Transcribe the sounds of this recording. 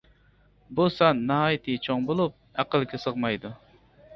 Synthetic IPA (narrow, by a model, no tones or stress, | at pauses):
busɑnːɑɦɑːjit̪ʰɨt͡ʃʰoŋbolˠup̚æqəlˠkʲɛsəʁmɑjd̪u